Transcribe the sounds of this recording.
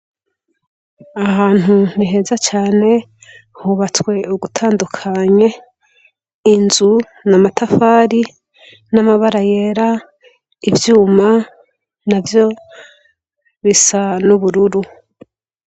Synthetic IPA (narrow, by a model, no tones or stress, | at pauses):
ahaːn̥hun̥iɦe̞ːzat͡ʃaːne̞ | huβat͡swe̞uɡutʰaːndukʰaɲe̞ | inzu | namatʰafaːɾi | namaβaɾaje̞ɾa | ivjuːma | navjo̞ | βisanuβuɾuɾu